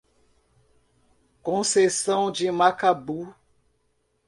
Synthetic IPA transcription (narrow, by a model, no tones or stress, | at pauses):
kõsesɐ̃w̃d͡ʒimakabu